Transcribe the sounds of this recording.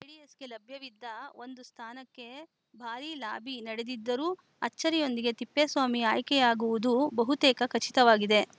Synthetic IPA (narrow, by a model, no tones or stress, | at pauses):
eɖijesɡe̞lɐbʱjɐʋid̪ːɐo̞nd̪ust̪ʰaːnɐkːe̞ | bʱaːɾilaːbʱinɐɽed̪id̪ːɐɾuː | ɐt͡ʃːɐɾijo̞nd̪iɡe̞t̪ipːesʋaːmiaːjkɛjaːɡuʋud̪ubɐɦut̪ɛːkɐkɐt͡ʃit̪ɐʋaːɡid̪e̞